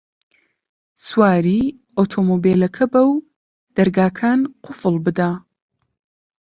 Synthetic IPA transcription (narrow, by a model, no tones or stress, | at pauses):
swaːɾiː | ot̪ʰomoːbeːlɐkʰɐbɐw | d̪̥ɐɾɡaːkʰaːnqʰʊfɨlˠbɨd̪aː